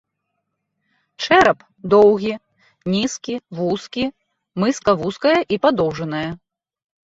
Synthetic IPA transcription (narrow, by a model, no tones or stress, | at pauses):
ʂɛɾɐp | d̪ɔwɣʲi | nʲiskʲivuskʲi | mɨskɐvuskɐjɐʔipad̪ɔwʐɐnɐjɐ